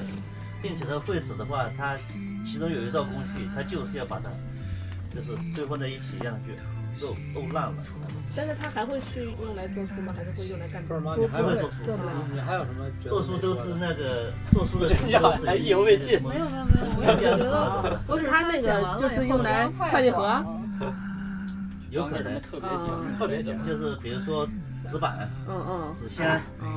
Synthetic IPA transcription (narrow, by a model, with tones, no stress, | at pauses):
pi˥˩ŋt͡ɕʰjɛ˨˩t̪a˥xwe˥˩ɪʂɹ̩˨˩d̪ə˦xwa˥˩t̪ʰa˥ | t͡ɕʰi˧˥ʈ͡ʂʊ˥ŋjo˨˩ʊi˧˥t̪ɑ˥˩ʊkʊ˥ŋɕʰy˥˩t̪ʰa˥t͡ɕjo˥˧ʊʂɻ̩˥˧jɑ˥˩ʊpa˨˩t̪ʰa˥ | t͡ɕjo˥˧ʊʂ̬ɻ̩˥˧˩t̪we˥˧ɪxwt͡sa˥˧ɪi˥˩t͡ɕʰi˨˩˧j̪t͡ɕʰy˥˧ | lo˥˧ʊt̪o˥˧ʊla˥˩lə̰˩ | t̪a˥˧nʂɻ̩˥˩t̪ʰa˥xa˧˥ɪxwe˥˧ɪɕy˥˧jo˥˩la˧˥ɪt͡swɔ˥˧˩ʂu˥mɐ˨˩xa˧˥ɪʂɻ̩˥˧xwe˥˧jo˥˧ŋla˧˥ɪkʰa˥˩˥pu˥xwɪ˥ɔ˥˩ʂu˥˩˥a˧˥ɪjo˨˩ʂmə˧ | t͡swɔ˥˧ʂu˥t̪o˥ʊʂɻ̩˥˧na˥˩ɡə˩ | t͡swɔ˥˧˩su˥d̪̩˨˥˧jɑ˥˧ʊɹ̩˥˩˥i˥˩o˧˥we˥˧ɪt͡ɕi˥˩me˥jo˨˩me˧˥jme˥˩m˥˧o˥˩˧wɔ˧˥˨t̪ʰa˥na˥˩ɡə˩t͡ɕjo˥˧ʂɻ̩˥˧jʊ˥˩ŋla˧˥ɪ˥kʰwa˥˧t̪jɛ˥˩xɤ˧˥ɐ˧ | t̪we˥˩ | jo˧˥ʊkʰɤ˨˩nə˧˥˦t̪ʰɤ˥˩pjɛ˧˥˧t̪ʰɤ˥˩pjɛ˧˥t͡ɕt͡ɕjo˥˧ʊʂ̬ɻ̩˥˩pi˨˩ɻu˧˥ʂwɔ˥ | t͡sɹ̩˧˥pa̰˨˩˦ | t͡sɹ̩˨˩ɕjɛ˥n˥